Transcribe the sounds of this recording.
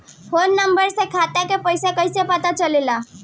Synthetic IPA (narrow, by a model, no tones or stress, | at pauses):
fʰonːəmbəɾsekʰat̪akepəjsekəjsepət̪at͡ʃəlela